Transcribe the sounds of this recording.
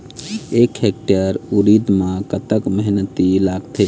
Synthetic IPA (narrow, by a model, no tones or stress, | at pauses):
ekhek̚ʈəɾuɾid̪mãkət̪əkməɦnət̪ilaɡt̪ʰe